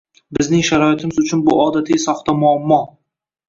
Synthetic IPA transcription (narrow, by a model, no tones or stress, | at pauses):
bɪznɪŋʃaɾɒɪt̪ʰɪmɪzʊt͡ʃʰʊnbʊʔɒd̪at̪ʰɪjsɒχt̪amʊamːɒ